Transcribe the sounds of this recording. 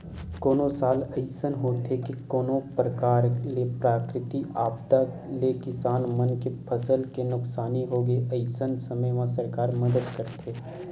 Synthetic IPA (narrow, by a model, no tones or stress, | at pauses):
koːnosaːlɐɪsənɦoːt̪ekekoːnõpɾəkaːɾlepɾaːkɾɪt̪iaːpt̪a | lekɪsaːnmənkepʰəsəlkenʊksaːniɦoːɡəiʔɐɪsənsɐməjʋãsɐɾkaːɾməd̪əd̪kəɾt̪ʰeː